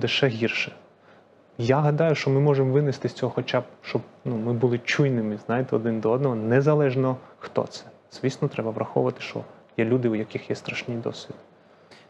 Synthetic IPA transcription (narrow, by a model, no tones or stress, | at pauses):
lˠɪʃɛɦʲirʃɛ̥ | jaɦɐd̪ɑjʊʃt͡ʃɔmɪmɔʒemʋɪnɪst̪ɪsʲt͡sʲɔɦɔxɔt͡ʃab̚ʃt͡ʃɔbnumɪbulˠɪt͡ʃujnɪmɪznɑjɪt̪ɛɔd̪ɪnd̪ɔɔd̪nɔɦɔnɛzɐlˠɛʒnɔxt̪ɔ̰t̪sɛ̥ | z̥ʋʲisʲnɔt̪ɾɛbɐʋɾʔɐxɔ̰ʋʊʋɐt̪ɪ̥ʃt͡ʃɔ̰jɛlʲud̪ɪujɐkɪxjɛst̪ɾɐʃnʲijd̪ɔ̰sʲʋʲid̪